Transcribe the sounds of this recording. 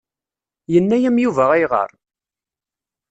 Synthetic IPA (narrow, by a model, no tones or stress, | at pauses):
jənːæjæmjuvæʁæjʁə̰ɾˤ